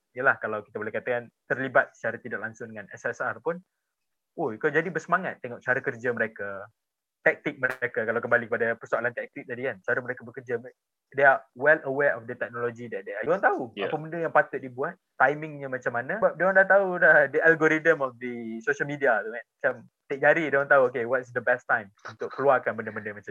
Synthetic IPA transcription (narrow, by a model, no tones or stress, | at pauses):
ijəlahkalawkit̪abolɛhkat̪akant̪ərlibat̪̚sə̥t͡ʃaɾat̪idɔʔ̚laŋsʊŋdəŋãnɛsɛsarpʊn | oikad͡ʒadibərsəmaŋat̪ːeŋɔk̚t͡ʃaɾakərd͡ʒaməɾeka | t̪ɛk̚t̪ɪk̚məɾekakalawkəmbalikəpadapərsoalant̪ɛk̚t̪ɪk̚t̪adikant͡ʃaɾaməɾekabəkərd͡ʒam | deawɛləwɛʔɔfdət̪ɛk̚nɔlod͡ʒidɛt̪̚deaɔ̃nt̪aua̰pəməndəjaŋpat̪ʊt̪̚dibuat̪̚ːajmɪ̃ŋɲə̃mat͡ʃamːanãbadondat̪auladəʔalɡoɾidəmɔfd̪əsoʃəlmidiat̪umanmat͡ʃam | t̪ɪk̚d͡ʒaɾidõnt̪auok̬ewɔt̚sd̪əbɛst̪ãjmunt̪ʊk̚kəluakanbəndəbəndəmat͡ʃa